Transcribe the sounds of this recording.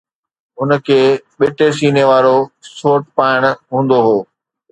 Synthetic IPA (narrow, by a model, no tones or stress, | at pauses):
ʊnəkʰeːɓeːʈesiːneʋaːɾosoːʈ̚paːɪɽ̃ɦũːn̆d̪oɦoː